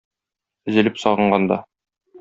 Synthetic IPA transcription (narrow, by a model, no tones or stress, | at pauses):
ɘ̆zɘ̆lɘpsɒʁɤ̆ɴɢɑnd̪ɑ̰